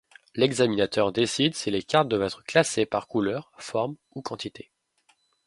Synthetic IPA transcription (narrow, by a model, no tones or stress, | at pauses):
lɛɡzaminat̪œʁd̪esid̪silekʲaʁt̪̚d̪wavɛt̪χəklasepaʁkulœʁfɔʁm | ukɑ̃t̪it̪ʰe